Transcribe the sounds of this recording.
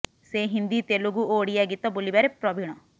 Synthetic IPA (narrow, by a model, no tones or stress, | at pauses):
seːɦɪ̃nd̪iːt̪eːloɡuoːɽiɛːɡit̪ɔbʊlibɛɾepɾɔbiɽɔ̃ː